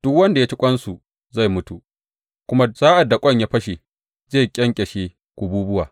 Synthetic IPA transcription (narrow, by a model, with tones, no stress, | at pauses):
d̥ʊ˦kwɐ˦nda˨jaː˦t͡ʃɪ˦kʷʼɐ˦nsu˨ | za˦˨jmʊ˦tu˨ | kʷʊ˦ma˦z̥aː˦ʔa˨dːa˨kʷʼɐ˦˨ɲjaː˦ɸɐ˦ʃe˨ | zeː˦˨kʲʼɛ˦ŋkʲʼɛ˨ʃe˨ | kʷu˨buː˦bʊ˦waː˨